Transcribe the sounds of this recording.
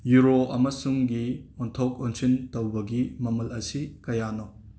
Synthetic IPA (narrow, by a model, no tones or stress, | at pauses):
juɾoɐmɐsuŋɡiɔntʰɔk̚ɔnsintowbɐɡimɐmɐlɐsikɐjanɔ